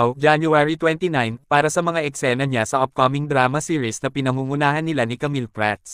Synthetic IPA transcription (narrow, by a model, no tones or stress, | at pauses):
wd͡ʒanjuaɹit̪wɛnt̪inajnpaːɾɐsɐmɐŋaʔɛksɛnɐɲasɐʔop̚komɪŋd̪ɾaːmɐsiːɹisnɐpɪnɐŋuŋʊnaːhɐnːɪlanɪkɐmilpɹat̪̚